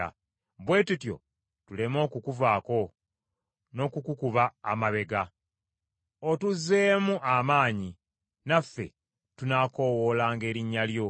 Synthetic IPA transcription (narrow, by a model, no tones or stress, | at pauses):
a̰ | bwe̞ːtutjo̞̰ | tule̞mo̞ːkukuvaːko̞ | no̞ːkukukuβa̰ːmaβe̞ɡa | otuze̞ːmuʔamaːɲi | nafːe̞̰ | tunaːko̞wo̞laːŋɡe̞ːɾiɲːaljo̞